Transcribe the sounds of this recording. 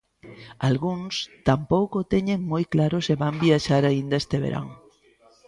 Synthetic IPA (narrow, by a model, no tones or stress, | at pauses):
alɣuŋst̪ampowkot̪eɲeŋmojklaɾʊseβambiaʃaɾaind̪aest̪eβḛɾʔa̰ŋ